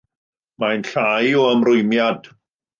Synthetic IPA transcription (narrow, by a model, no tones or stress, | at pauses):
majnɬajɔəmrʊjmjad̥